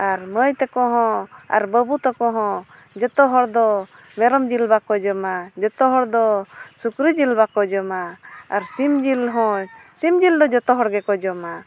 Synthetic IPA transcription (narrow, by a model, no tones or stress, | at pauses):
aɾməjt̪ɛkɔɦɔ̃a̰ɾbəbut̪ɔkɔɦɔ̃ | d͡ʒɔt̪ɔɦɔɽd̪ɔ | mɛɾɔmd͡ʒilbakɔd͡ʒɔmad͡ʒɔt̪ɔɦɔɽd̪ɔsukɾid͡ʒilbakɔd͡ʒɔmaːɾsimd͡ʒilɦɔ̃simd͡ʒild̪ɔd͡ʒɔt̪ɔɦɔɽɡɛkɔd͡ʒɔma